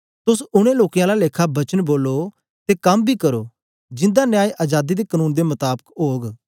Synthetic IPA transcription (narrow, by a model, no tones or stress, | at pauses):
t̪ʊsʊɽ̃ẽːloːkjãlaleːkʰabɐt͡ʃənboːlːoː | t̪eːkɐmbʱiːkəɾo̰ː | d͡ʒɪ̃nd̪anɪjaːiʔaːd͡ʒaːd̪id̪eːkənuːnd̪eːmət̪aːbəkɦoːɡ